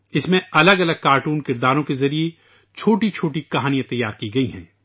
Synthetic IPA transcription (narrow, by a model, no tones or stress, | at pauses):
ɪsmẽɐləɡɐləɡ̚kaːɾʈuːnkɪɾd̪aːɾõkezɐɾie | t͡ʃʰoːʈit͡ʃʰoːʈikɐɦaːnijãt̪ɐjːaːɾkiɡɐiɦɛ̰̃ː